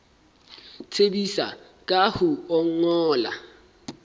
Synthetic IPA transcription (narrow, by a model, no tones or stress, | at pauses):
t͡sʰebisa̰ | kʼahʊɔŋ̩ɔːla̰